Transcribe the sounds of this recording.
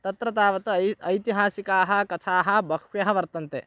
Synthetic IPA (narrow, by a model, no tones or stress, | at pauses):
t̪ɐt̪ɾɐt̪aːʋɐt̪ɐɐjt̪iɦaːsikaːɦɐkɐt͡ʃʰaːɦɐ̆bɐkʰjɐɦɐʋɐɾt̪ɐnt̪e